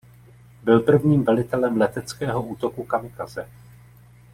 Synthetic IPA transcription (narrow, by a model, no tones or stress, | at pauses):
bɪlpr̩vɲiːmvɛlɪt̪ɛlɛmlɛt̪ɛt͡skɛːɦo̞uːt̪o̞kukamɪkazɛ̰